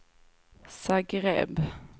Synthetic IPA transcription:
saɡɾɛ̰b

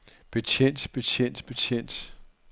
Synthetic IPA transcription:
b̥e̝t͡sʰen̰d̥b̥e̝t͡sʰen̰d̥b̥e̝t͡sʰjen̰d̥

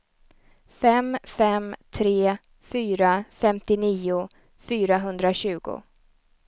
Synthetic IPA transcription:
fɛmfɛmt̪ʰɾeː | fyːɾafɛmt̪ɪniːʊ | fyːɾaɦɵnd̪ɾaɕʉ̟ːɡʊ̰

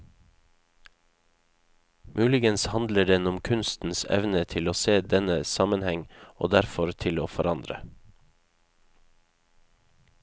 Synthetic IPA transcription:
mʔʉːlɪɡənshɑnd̪ləɖɛnʊmkʰʉnst̪n̩sɛ̰ʋnət̪ʰɪloːseːd̪ɛnəsɑmənhɛŋo̰ːd̪æɾfɔɾt̪ʰɪloːfɔɾɑnd̪ɾə̰

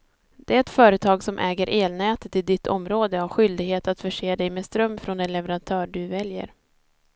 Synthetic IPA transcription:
d̪ɛːɛt̪fœːɾət̪ʰɑːɡsɔmʔɛːɡəɾʔeːlnɛːt̪ət̪ɪd̪ɪt̪ːɔ̰mɾoːd̪əaɧʏld̪ɪɡheːt̪at̪fœʂeːd̪ɛjmeːst̪ɾœmːfɾɔnɛnlɛvəɾant̪ʰœːɖɵvɛljə̰ɾ

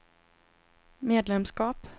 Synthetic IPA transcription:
meːd̪lɛmskɑːp

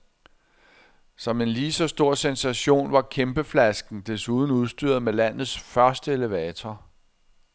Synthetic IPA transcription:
sɒ̽me̝nliːsɒ̽sd̥o̝ɐ̰sensæɕo̝̰ːnʋɑ̈kʰemb̥əflæsɡ̥n̩d̥e̝suð̞ˠn̩uð̞ˠsd̥yɐ̰ð̩ˠmelæn̰ð̞̩ˠsfɶɐsd̥əe̝ləʋɛːt͡sʰɒ

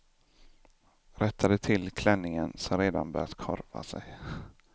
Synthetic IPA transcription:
ɾɛt̪ʰːad̪ət̪ʰɪlːkʰlɛnːɪŋənsɔmɾeːd̪a̰nbœ̰ɾat̪kʰɔ̰ɾva̰sɛj

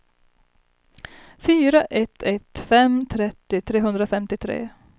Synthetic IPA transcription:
fyːɾaʔɛt̪ʰːɛt̪ːfɛmt̪ʰɾɛt̪ːɪt̪ʰɾeːɦɵnd̪ɾafɛmt̪ɪt̪ʰɾḛː

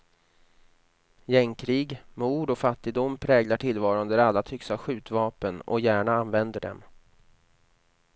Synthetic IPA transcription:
jɛŋkʰɾiːɡmuːɖɔfat̪ːɪɡ̚d̪ʊmːpʰɾɛːɡlaʈʰɪlːvɑːɾand̪əɾalːat̪ʰʏksaɧʉ̟ːt̪vɑːpənɔ̰jæːɳaanvɛnd̪əɖɛ̰m

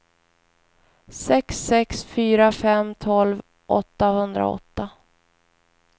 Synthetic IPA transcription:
sɛksːɛksfyːɾafɛmt̪ʰɔlv | ʔɔ̰t̪ːahɵnd̪ɾa̰ɔ̰t̪ːa

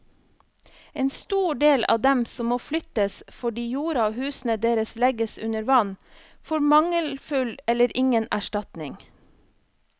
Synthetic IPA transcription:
eːnst̪uːɖeːlʔɑ̰ːd̪ɛmsɔmːoːflʏt̪əsfɔɖiːjuːɾɑoːhʉːsn̩əd̪eːɾəslɛɡəsʉnəɾʋɑn | foːɾmɑŋəlfʉlɛləɾʔɪŋənæʃʈɑt̪nɪŋ

